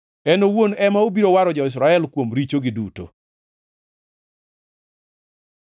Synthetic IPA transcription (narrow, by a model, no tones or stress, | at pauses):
ɛnowonɛmaobiɾowaɾɔd͡ʒɔɪs̬ɾaɛlkwomɾit͡ʃoɡɪduto̰